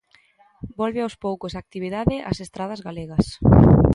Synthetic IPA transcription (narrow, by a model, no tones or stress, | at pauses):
bɔlβɪawspowkosak̚t̪iβ̞iðaðɪʔa̰sest̪ɾað̞ɐzɣaleɣɐs